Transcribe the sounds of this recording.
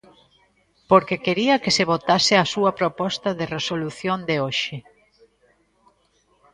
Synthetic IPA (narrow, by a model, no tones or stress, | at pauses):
poɾkekeɾiɐkeseβ̞ot̪asɪasuɐpɾopɔst̪ɐðeresoluθjond̪eoʃɪ